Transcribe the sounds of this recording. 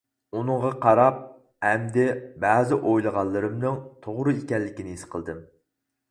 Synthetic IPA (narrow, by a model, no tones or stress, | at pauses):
unɨŋʁɑqʰɑɾɑp̚ | hɛmd̪ɪbæzɪʔojlˠəʁɑlˠːɨɾɨmnɨŋt̪ʰoʁɾɨikʲɛlːɪkʲinɪisqʰəlˠd̪ɨm